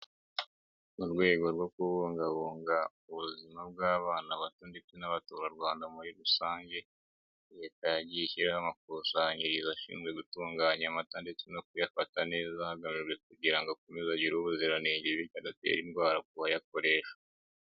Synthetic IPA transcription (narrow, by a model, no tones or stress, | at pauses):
uɾɡwe̞ːɡo̞ɾɡo̞kuβuːŋɡaβuːŋɡa | uβuzimab̚ɡaːβaːnaβatandet͡sinaβatuːɾaɾwaːndamuɾiɾusaːɲɟe̞ | jekajaɟiçiɾehamak̚usaɲiɾizaʃḭːnzɡwe̞ɡutuːŋɡaːɲamatandet͡sino̞k̚ujafatane̞ːzahaɡamiɾwek̚uɟiɾaŋɡakumizaɟiɾuβuziɾaneːɲdiβiadatḛɾinɡwaːɾaɡuhajako̞ɾe̞ːʃḁ